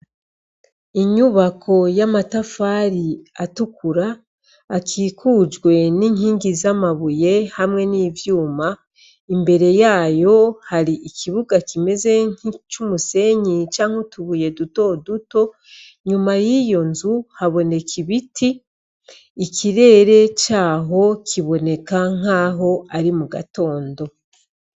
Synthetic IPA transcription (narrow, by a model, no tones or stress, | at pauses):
iɲuβakʰo̞jamatafaɾiatukuɾaː | kʰiːkʰuːd͡ʒɡwe̞niːŋhiːŋɡizamaβuje̞hamŋe̞niːvjuːma | imbe̞ɾe̞jaːjo̞haɾiʔikʰiβuɡakime̞ze̞ɲit͡ʃumuse̞ɲit͡ʃaːŋ̥hotuβuje̞duto̞duto̞ | ɲumajijo̞nzuhaβo̞ne̞kiβitʰiː | kʰiɾe̞ːɾe̞t͡ʃaːɦo̞kʰiβo̞ne̞kaŋ̥aːɦo̞aɾimuɡa̰to̞ːndo̞